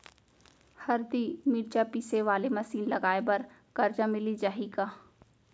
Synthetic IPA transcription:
hɐɾd̪imɪɾt͡ʃapiːseʋaːlemɐsiːnlɐɡaːebɐɾ | kɐɾd͡ʒamɪlid͡ʒaːɦikaː

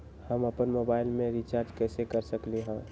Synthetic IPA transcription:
həməpənmoːbaːɪlmẽɾit͡ʃaːɾd͡ʒkɛːsekəɾsəkleɦɛ̃ː

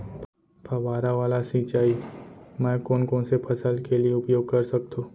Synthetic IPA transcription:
pʰɐʋaːɾaʋaːlasiːt͡ʃaːimɛ̃ːkɔːnkɔ̃ːnsepʰɐsəlkelieʊpjoːɡ̚kɐɾsɐk̚t̪õː

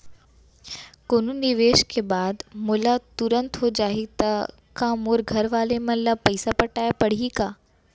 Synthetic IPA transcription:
koːnunɪʋeːʃkebaːd̪moːlat̪ʊɾə̃nt̪ɦod͡ʑaːɦit̪ɐ | kãmoːɾɡʱɐɾʋaːlemɐ̃lapɐɪsapɐʈaːjpɐɽ̤iikaː

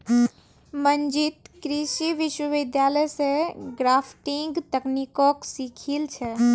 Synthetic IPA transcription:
mənd͡ʒit̪kɾiʃiʋiʃwəʋid̪jaləjsẽɡɾapʰʈiŋɡt̪əknikoksikʰilt͡ʃʰɛ

